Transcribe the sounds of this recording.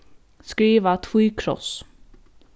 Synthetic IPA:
skɾiːvat̪ʰfyːkʰɾɔ̰s

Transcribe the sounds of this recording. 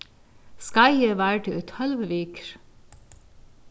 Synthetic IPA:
skɑɪəʋæːʈəət̪hœlʋəʋeːkɾ

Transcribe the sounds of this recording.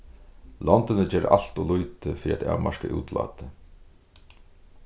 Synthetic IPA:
lɔnt̪ɪnəd͡ʑɛːɾ̰ʔal̥t̪ɔlujt̪ɪfiːɾiat̪ʰa̰ʋmaʂkəʔṵːt̪la̰ːt̪ɪ

